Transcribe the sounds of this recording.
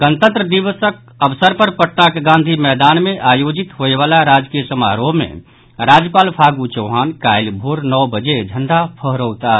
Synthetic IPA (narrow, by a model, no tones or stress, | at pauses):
ɡ̥ənt̪ə̃nt̪ɾəd̪iʋəsək̚ | əʋsəɾpəɾpəʈnakɡãːnd̪ʱimɛːd̪anmẽʔajod͡ʒit̪ɦoeʋaːlaɾad͡ʒkijəsəma̰ɾoɦmḛ̃ | ɾad͡ʒjəpaːlpʰaɡut͡ʃəwɦaːnkajlbʱoɾnɔbəd͡ʒed͡ʒʱəɳɖapʰəɦɾowt̪a